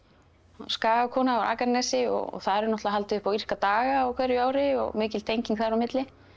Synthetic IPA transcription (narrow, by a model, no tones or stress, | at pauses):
anskaːɣavkʰɔːnaawɾʔa̰ːkannɛsɪɔ̰ɣɔ̰ɣθaðɛɾnɔht̪laɦalt̪ɪʏhpawir̥kat̪aːɣaɔwkʰvɛɾjʏaːwɾɪɔ̰ɣmɪːcɪlt̪ʰejɲciŋkθaðɾawmɪt̪lɪ